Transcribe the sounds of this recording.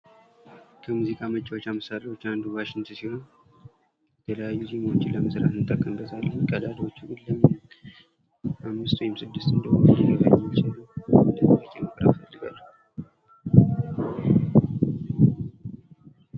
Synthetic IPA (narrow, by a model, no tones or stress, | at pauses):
kʰəmuzikʼamət͡ʃʼɪwot͡ʃːaməsaɾewo̞t͡ʃːand̪uwaʃɪnt̪ʰɨsiho̞n | jɛt̪ʰələjajːuzimot͡ʃːɪləməsɾa̰t̪nɨt̪ʼːəkʼːəmbəzʼalːəkʼːəd̪ʼaliwo̞t͡ʃːuulːəm | ʔamːɨst̪wɔhɪmsɨd̪ːɨst̪ɨnd̪əhot̪zəɡa̰ɾɛmːat͡ʃɪnːəwnd̪əməjakʰʼeməkʼəɾa̰fəlːɨɡa̰lːə